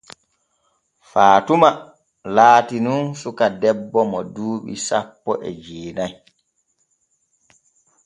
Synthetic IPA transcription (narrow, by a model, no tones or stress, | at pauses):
faːtuma | laːtinunsukadɛbːɔmɔduːɓḭsapːɔʔɛ̰d͡ʒeːnaj